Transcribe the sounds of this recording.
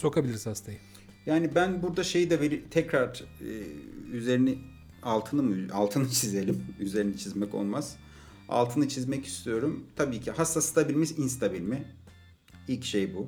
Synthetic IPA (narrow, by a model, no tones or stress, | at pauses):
so̞kʰabilʲiɾishast̪ʰajɯ | jaːnibænbuɾd̪aʃe̞jid̪ɛveɾit̪ʰɛcɾaɾ̰ː | yze̞ɾini | alˠt̪ʰɯnɯmɯa̰lˠt̪ʰɯnɯt͡ʃʰize̞lʲimyze̞ɾinit͡ʃʰizmɛko̞̰lˠmaz̥ | a̰lˠt̪ʰɯnɯt͡ʃʰizmɛci̥st̪ʰijo̞ɾumt̪ʰabiːcʰihast̪ast̪ʰabilʲmiʃinst̪ʰabilʲmɪ | ilʲcʃejbu